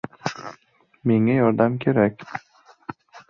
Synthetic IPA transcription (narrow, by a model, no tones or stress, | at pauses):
me̞ŋajɒɾd̪amkʲʰe̞ɾakʲ